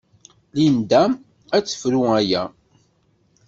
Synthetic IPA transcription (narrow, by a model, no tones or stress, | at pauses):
lind̪æm | æt͡sːə̥fɾuæjæ